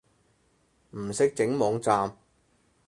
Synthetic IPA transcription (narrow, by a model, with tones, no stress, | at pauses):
m̩˨˩sɪ˥k̚t͡sɪ˨˥ŋmɔː˨˧ŋt͡saː˧m